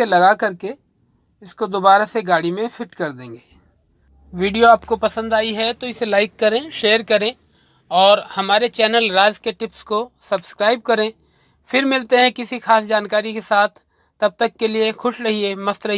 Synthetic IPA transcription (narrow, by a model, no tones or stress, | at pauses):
elɐɡakɐɾke | ɪskod̪oːbaːɾaseɡaːɽimẽfɪʈkɐɾd̪ẽːŋɡeː | ʋiːɖijoaːp̚kopɐsə̃nd̪aːiɦɛt̪oɪselaːɪkːɐɾẽʃeːəɾkɐɾẽ | ɔːɾhɐmaːɾet͡ʃɛːnəlɾaːzkeʈɪpskosɐbskɾaːɪb̚kɐɾẽ | fɪɾmɪlt̪eɦɛ̃kɪsixaːsd͡ʒaːnkaːɾikesaːt̪ʰː | ɐb̚t̪ɐkːeliexʊʃɾɐɦiemɐst̪ɾɐɦi